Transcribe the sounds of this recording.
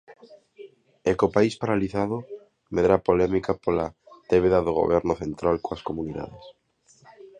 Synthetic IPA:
ekopaispaɾaliθaðʊ | meðɾapolɛmikapola | t̪eβeðaðoɣ̞o̰β̞ɛɾnʊθent̪ɾalkoɐskomuniða̰ðes

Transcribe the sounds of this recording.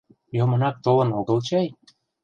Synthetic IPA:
jomɤ̆nɑk̚t̪olˠɤ̆noɣɤ̆lˠt͡ɕɑj

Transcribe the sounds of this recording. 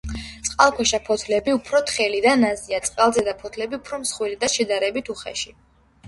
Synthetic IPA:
t̪sʼqʼalˠkʰwɛʃapʰɔt̪ʰlɛbiupʰɾɔt̪ʰχɛlid̪anaziat̪sʼqʼalˠzɛd̪apʰɔt̪ʰlɛbiupʰɾɔmsχwilid̪aʃɛd̪aɾɛbit̪ʰuχɛ̰ʃi

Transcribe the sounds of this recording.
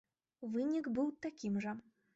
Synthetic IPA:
vɨnʲiɡbɨwt̪akʲimʐɐ

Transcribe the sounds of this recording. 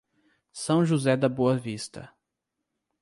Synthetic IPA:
sɐ̃w̃ʒuzɛd̪ɐboɐvist̪ɐ

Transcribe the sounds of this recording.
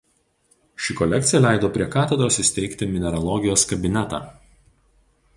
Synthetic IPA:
ʃʲɪkɔlʲɛkt̪sʲɪjɛlʲæˑɪd̪oːpʲɾʲiɛkɑːt̪ʲɛd̪ɾoːsɪsʲt̪ʲɛɪkʲt̪ʲɪmʲɪnʲɛɾɐlˠɔːɡʲɪjoːskɐbʲɪnʲɛt̪ɑ̰ː

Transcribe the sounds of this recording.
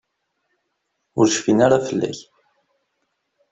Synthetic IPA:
ʊɾʃfinaɾafəlːæ̰ç

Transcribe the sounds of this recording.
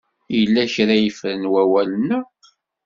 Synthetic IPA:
jəlːæçɾæjəfɾənwæwælənə

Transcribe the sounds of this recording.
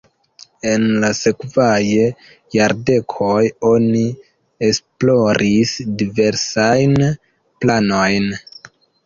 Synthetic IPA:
e̞nlase̞kvaje | jaɾde̞kʰo̞jo̞ni | esplo̞ɾʔisdive̞ɾsajn | plano̞jn

